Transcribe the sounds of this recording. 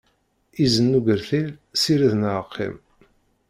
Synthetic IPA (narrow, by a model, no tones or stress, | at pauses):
izənːuʝəɾθilsiɾiðnʕəqʰːḭm